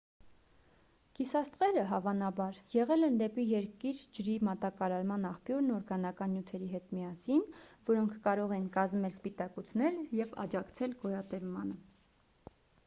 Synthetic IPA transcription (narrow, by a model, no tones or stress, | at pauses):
kisɑst̪ʁɛɾəɦɑvɑnɑbɑɾjɛʁɛlɛnd̪ɛpijɛɾkiɾd͡ʒəɾimɑt̪ɑkɑɾɑɾmɑnɑχpjuɾnɔɾɡɑnɑkɑnːjut̪ʰɛɾiɦɛt̪miɑsinvɔɾɔŋkʰkɑɾɔʁɛnkɑzmɛlspit̪ɑkut͡sʰnɛljɛvɑ̰d͡ʒɑkt͡sʰɛlɡɔjɑt̪ɛvmɑnə